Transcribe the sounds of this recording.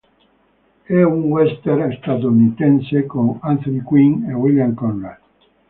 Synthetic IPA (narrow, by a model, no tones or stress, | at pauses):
ɛuŋwɛst̪eɾest̪at̪ounit̪ɛnsekoŋant̪onikwiŋewiljamkɔnːal